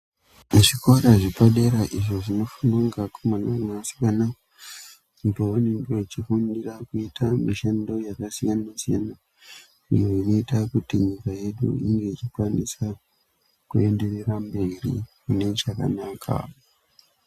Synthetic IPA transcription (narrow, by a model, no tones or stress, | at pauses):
ʐiko̞ɾaʐipaɗe̞ɾaʔiʐo̞ʐino̞funaŋɡakomanamasi̥kana | utoonindo̞it͡ʃifundirakuitʰamiʃendo̞jakasijanasija̰na | ḭjoino̞itakutiɲikaje̞ɗṵiŋɡe̞it͡ʃikwanisa | kue̞nde̞rerambe̞ɾḭkune̞t͡ʃaka̰naːkʰa̰